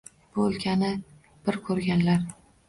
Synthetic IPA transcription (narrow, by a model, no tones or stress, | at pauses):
b̥ʊlkʲʰanɪ | b̥ɪɾkʰɵɾɡʲanlaɾ